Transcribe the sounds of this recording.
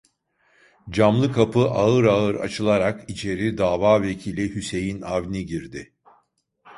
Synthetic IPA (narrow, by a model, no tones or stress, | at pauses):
d͡ʒamlˠɯkʰapʰɯʔaɯɾaɯɾa̰t͡ʃʰɯlˠaɾakit͡ʃʰe̞ɾid̪aːvaːve̞cʰiːlʲihyse̞jinavniɟiɾd̪ɪ